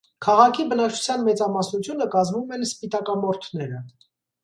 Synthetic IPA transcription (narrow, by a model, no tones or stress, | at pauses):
kʰɑʁɑkʰibənɑkt͡ʃʰu̥t͡sʰjɑnmɛt͡sɑmɑsnut͡sʰjunəkɑzvumɛnspit̪ɑkɑmɔɾt̪ʰnɛɾə